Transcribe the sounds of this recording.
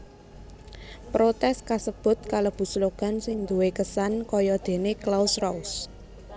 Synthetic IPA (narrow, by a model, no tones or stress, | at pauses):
pɾot̪ɛskasəb̥ʊ̤t̪̚kaləb̥ṳsloɡ̥a̤nsɪŋd̪uwekəsankɔjɔd̪̥e̤neklawsrɔus